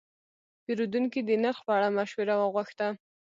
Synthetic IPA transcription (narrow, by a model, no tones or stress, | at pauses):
peɾud̪unkid̪ənaɾxpəaɽamaʃwəɾawəɣwaxt̪a